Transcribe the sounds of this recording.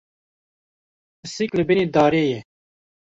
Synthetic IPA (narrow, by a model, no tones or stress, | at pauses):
ɨsiklɨbineːd̪ɑːɾeːjɛ